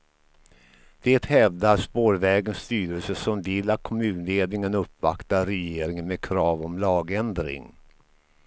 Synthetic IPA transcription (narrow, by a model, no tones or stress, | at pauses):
d̪̥eːt̪hɛvd̪aspoːɾvɛːɡənst̪yːɾəlsəsɔmvɪlːat̪̚kʰɔmʉ̟ːnleːd̪nɪŋənɵpːvakt̪aɾɛjeːɾɪŋənmɛkʰɾɑːvɔmlɑːɡɛnd̪ɾɪ̰ŋ